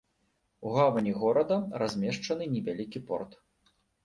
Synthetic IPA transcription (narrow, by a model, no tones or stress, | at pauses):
uɣavɐnʲiɣɔɾɐd̪ɐrazʲmʲɛʂt͡ʂɐnɨnʲɛvʲalʲikʲipɔ̰rt̪